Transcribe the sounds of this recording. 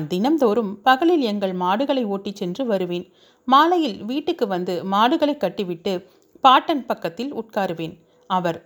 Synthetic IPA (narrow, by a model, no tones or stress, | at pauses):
nd̪ɪnɐmd̪oːɾɯmpɐɣɐɭɪlɛŋɡɐɭmaːɽɯɣɐɭɐɪoːʈːit͡ʃːɛndrɯʋɐɾɯʋeːn | maːlɐjɪlʋiːʈːɯkːɯʋɐnd̪ɯmaːɽɯɣɐɭɐɪkːɐʈːɯʋɪʈːɯ | paːʈːɐnpɐkːɐt̪ːɪlʊ̰ʈ̚kaːɾɯʋeːn | ɐʋɐɾ